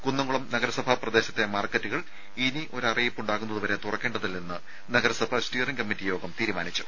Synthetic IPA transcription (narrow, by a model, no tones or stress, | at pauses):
kunːɐŋɡuɭɐmnɐɡɐɾɐsɐbʱɐprɐd̪e̞ːɕɐt̪ːe̞maːrkːɐtːuɣɐɭ | iniʔo̞ɾɐrijipːuɳɖaːɣunːɐðuʋɐɾe̞t̪urɐkːe̞ːɳɖɐðilnenːɨ | nɐɡɐɾɐsɐbʱɐsʈiːriŋkɐmːitːijo̞ːɡɐmt̪iːɾumaːnit͡ɕːu̥